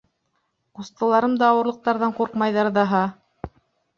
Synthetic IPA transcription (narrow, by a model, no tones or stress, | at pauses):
qust̪ɤ̆lˠɑɾɤmd̪ɑːwɤ̆ɾlˠɤ̆q̚t̪ɑɾðɑɴquɾqmɑjðɑɾðɑɦɑ